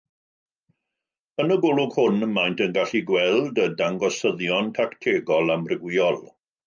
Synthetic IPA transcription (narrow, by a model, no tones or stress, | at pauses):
ənəɡʊlʊɡhʊnəmajntʰənɡaɬiɡwɛlˠdədaŋɡɔsəðjɔntʰaktʰeːɡɔlˠamrɪɡwiɔlˠ